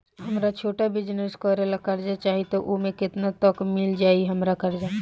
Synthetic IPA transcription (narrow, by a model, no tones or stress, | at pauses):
ɦɐmɾat͡ʃʰoːʈabɪd͡ʒnəskɔːɾelakɐɾd͡ʒat͡ʃaːɦit̪oʔomẽkɪt̪nat̪ɔkmɪld͡ʒaːiɦɐmɾakɐɾd͡ʒaː